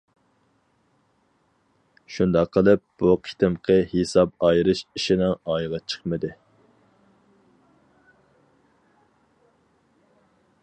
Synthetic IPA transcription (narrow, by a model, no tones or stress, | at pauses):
ʃund̪ɑqʰːəlˠɨp̚b̥uqʰi̥t̪ɪmqʰəhesɑp̚ɑjɾɨʃiʃinɪŋɑjʁɑt͡ʃʰə̥χmɨd̪ɨ